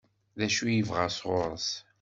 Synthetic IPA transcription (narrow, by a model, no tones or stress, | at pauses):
ðæʃujəvʁasʁʊɾˤəs